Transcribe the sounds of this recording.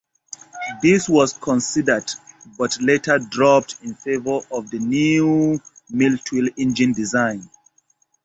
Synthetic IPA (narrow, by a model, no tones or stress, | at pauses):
ðiswɔskʰɔ̃nsidədbʌtʰletʰə˞dɹɔp̚tĩnfevəɔvðənju | miltʰwilɪ̃nd͡ʒɨ̃ndizãɪ̃n